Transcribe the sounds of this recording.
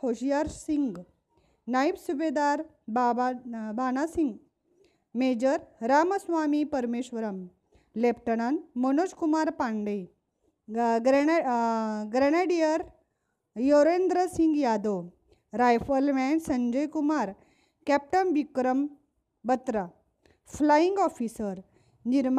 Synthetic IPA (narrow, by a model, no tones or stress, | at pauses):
hoɕjaɾsiŋɡ | naipsubed̪aɾ | babbʱanasiŋɡ | med͡ʑəɾɾaməsʋamipəɾmeɕʋəɾəm | lepʰʈəɽ̃anmənoskumaɾpaɳɖəj | ɡ | ɡɾɛneɖijəɾ | joɾend̪ɾəsiŋɡjad̪o | ɾajfəlmɛnsəɲd͡ʑəjkumaɾ | kɛp̚ʈənʋikɾəm | bət̪ɾa | flaiŋɡɔfisəɾ | niɾm